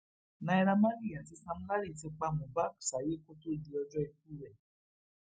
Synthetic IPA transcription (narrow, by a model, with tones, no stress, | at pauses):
nã˧i˧ɾa˧mã˦ɾi˦˨ã˨ti˧˦sã˧m̩̃˦la˦ɾi˦˨ti˧˦k͡pa˧˨mũ˨ba˦˨ksa˨je˦ko˦to˦di˧ɔ˧d͡ʒɔ˦i˧k̚u˦ɾɛ˦˨